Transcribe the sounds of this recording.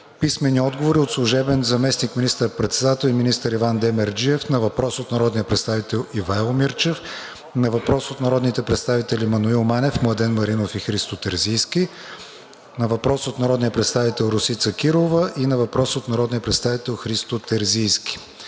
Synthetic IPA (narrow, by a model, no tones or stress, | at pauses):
pismɛniɔd̪ɡovoɾiot̪slˠuʒɛbɛnzɐmɛsnikminist̪əɾpɾɛt̪sɛd̪at̪ɛlˠiminist̪əɾivand̪ɛmɛɾd͡ʒiɛfnɐvɐpɾɔsot̪nɐɾɔd̪nijəpɾɛt̪st̪avit̪ɛlˠivaɛlˠmiɾt͡ʃɛf | nɐvɐpɾɔsot̪nɐɾɔd̪nit̪ɛpɾɛt̪st̪avit̪ɛlʲimɐnuilˠmanɛfmlˠɐd̪ɛnmɐɾinofixɾist̪ot̪ɛɾzijski | nɐvɐpɾɔsot̪nɐɾɔd̪nijəpɾɛt̪st̪avit̪ɛlˠɾʊsit̪səkiɾˠovəʔinɐvɐpɾɔsot̪nɐɾɔd̪nijəpɾɛt̪st̪avit̪ɛlˠxɾist̪ot̪ɛɾzijskʲi̥